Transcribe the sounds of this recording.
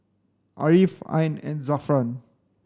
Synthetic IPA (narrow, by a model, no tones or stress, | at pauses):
ʔa̰ɾifã̰jnɛ̰̃nzafɾan